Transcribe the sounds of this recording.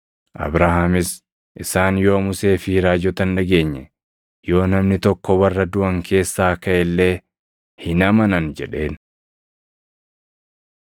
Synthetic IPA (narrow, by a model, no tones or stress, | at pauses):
ʔɐ̰bɾahamɪs | ʔɪsaːnjo̞ːmʊse̞ːfiɾaːd͡ʒɔt̪ɐnᶑɐɡe̞ːɲːɛ | jo̞ːnɐmnɪt̪ɔkːɔwɐrːɐd̪ʊʔɐŋkʰe̞ːsːaːkɐʔɛlːe̞ː | hɪnɐmɐnɐnd͡ʒɛᶑe̞ːn